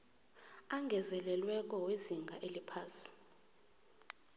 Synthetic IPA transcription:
aŋɡʱɛzɛlɛlwɛk̬ʼɔweziŋɡʱaʔelipʰaːsi̥

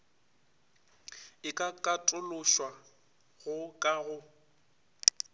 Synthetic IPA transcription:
ɪkʼakʼatʼʊlʊʃwa | ɣʊkʼaɣʊ

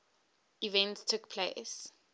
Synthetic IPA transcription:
ivɛ̃ntstʰukpʰles

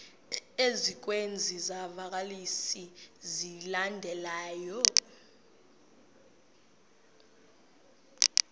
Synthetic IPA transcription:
ezik̬wend͡zʱizavak̬alisizilandʱɛlaːjɔ

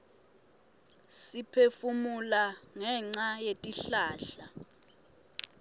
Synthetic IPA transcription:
sipʰefumulaŋɛŋ͡ǀajetʼiɬaːɬa

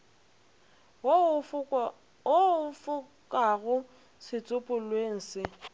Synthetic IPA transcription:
oʊfʊ | kʼaɣʊ | sɪt͡sʼʊpʼʊlweŋ̩sɪ

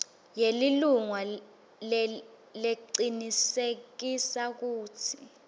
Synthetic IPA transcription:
jeliluŋwa | l | leǀinisek̬isak̬uːtʰi̥

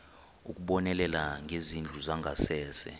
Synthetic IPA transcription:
uk̬ʼuɓɔnɛlɛlaŋɡʱezind͡ɮʱuzaŋɡʱasɛːsɛ̰

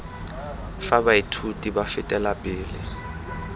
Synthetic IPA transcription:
fabaitʰutʼibafɪtʼɛlapʼɪːlɪ

